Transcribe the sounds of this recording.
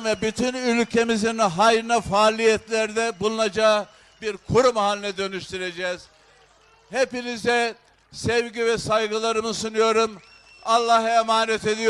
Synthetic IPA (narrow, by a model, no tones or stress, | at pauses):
vɛbyt̪ʰynylʲcʰe̞mizinɦajɾɯnafaːlʲijɛt̪ʰlʲæɾd̪ɛbulˠunad͡ʒaɯ | biɾkʰuɾumhaːlʲnɛd̪ø̞nyʃt̪yɾe̞d͡ʒɛːz̥ | hepinizɛ | sɛvɟivɛsajɡɯlˠaɾɯmɯsunujo̞ɾum | alˠːaɦemaːnɛt̪e̞d̪ij